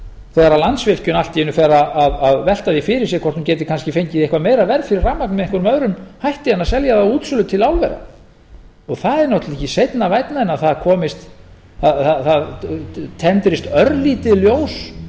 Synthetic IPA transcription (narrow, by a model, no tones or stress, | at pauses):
θɛːɣaɾalant̪svɪl̥cʏnal̥t̪ɪɪnːʏfɛːɾaaðaðvɛl̥t̪aðifɪɾɪɾs̬jɛkʰɔ̥t̪hʏmcɛːt̪ɪ̥kʰans̬cɪfejɲcɪðehkvameːjɾavɛɾðfɪɾɪrraːmːaknmɛðiŋkʏɾʏmœðɾʏmhajht̪ɪanːasɛljaðauːt̪sʏlʏt̪ʰɪlawlvɛ̰ɾa̰ | ɔɣθaðɛɾnɔwht̪lɛhcːɪsejt̪navajt̪naɪnaθaðkʰɔːmɪst̪ | aθaθaðt̪ʰɛnt̪ɾɪst̪œɾliːt̪ɪðljoːws